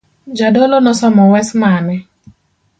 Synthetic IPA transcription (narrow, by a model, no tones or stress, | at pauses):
d͡ʒadɔlɔnɔsɔmɔwɛsmanɛ